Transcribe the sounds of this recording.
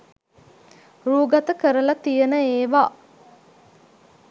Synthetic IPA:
ruːɡat̪əkəɾəlat̪ijənəeːʋa

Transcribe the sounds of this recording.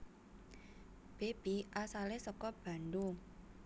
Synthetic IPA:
b̥eb̥iʔasalesɔkɔb̥a̤nd̪u

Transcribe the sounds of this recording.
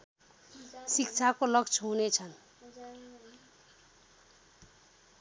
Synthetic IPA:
sikt͡sʰakolʌkt͡sʰʌɦunet͡sʰʌn

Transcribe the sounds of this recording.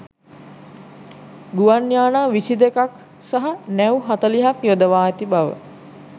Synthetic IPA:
ɡuʋanjaːnaːʋisid̪ekak | saɦanɛwɦat̪əliɦakjod̪əʋaːjt̪ibaʋə̰

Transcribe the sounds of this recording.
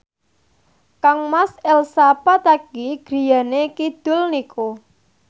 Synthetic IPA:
kaŋmasɛlsapat̪aɡ̥iɡ̥ɾi̤janekid̪̥ʊ̤lnikʰo

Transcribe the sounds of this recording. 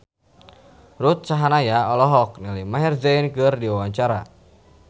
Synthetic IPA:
rut̪̚saɦanajaɔlɔɦɔk̚nilimaɦɛrzɛjnkɨrdiwawaɲt͡ʃaɾa̰

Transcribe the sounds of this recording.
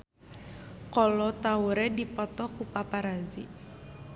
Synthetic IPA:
kɔlɔt̪auɾɛdipɔt̪ɔkupapaɾazi

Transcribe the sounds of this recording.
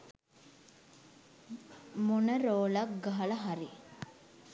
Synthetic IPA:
munəɾoːlak̚ɡɐɦɐlɐɦaɾi

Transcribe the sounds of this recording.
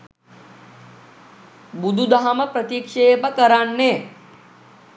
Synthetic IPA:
bud̪ʱud̪amɐpɾɐt̪ikʂeːpɐkɐɾaɳːe

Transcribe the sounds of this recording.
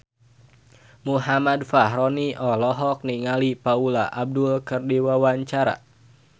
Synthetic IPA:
muɦamadfahɾɔniʔɔlɔɦɔk̚niŋalipaulaʔab̚dulkɨrdiwawaɲt͡ʃaɾa̰

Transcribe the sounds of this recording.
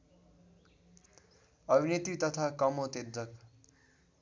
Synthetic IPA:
ʌbʱinet̪it̪ʌt̪ʰakʌmot̪ed̪d͡zʌk

